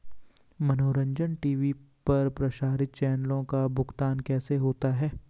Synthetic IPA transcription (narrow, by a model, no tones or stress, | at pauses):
mɐnoːɾə̃ɲd͡ʒənʈiːʋipɐɾpɾɐʃaːɾɪt̪̚t͡ʃɛːnəlõkabʱʊɡt̪aːnkɛːseɦoːt̪aɦɛː